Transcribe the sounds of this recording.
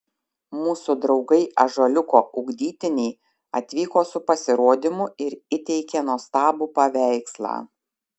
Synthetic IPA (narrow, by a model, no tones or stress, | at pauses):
muːsʊd̪ɾɒʊɡɐɪʔɐʒɐlʲʊkoːʔʊɡd̪ʲiːt̪ʲɪnʲɛɪ | ɐt̪ʲʋʲiːkoːsʊpɐsʲɪɾoːd̪ʲɪmʊɪɾɪt̪ʲɛɪkʲeːnoɔst̪ɑːbupɐʋʲæˑɪkslˠɑ̰ː